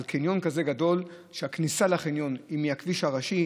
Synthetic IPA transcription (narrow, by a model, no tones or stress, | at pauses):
lkinjo̞nkaze̞ɡad̪o̞l | ʃeaknisalaχinjo̞nimiakviʃhaʁaʃi